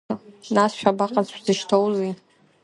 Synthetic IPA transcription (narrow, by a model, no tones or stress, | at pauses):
nasʃᶣabaqʼazʷʰzɨʃtʰowzi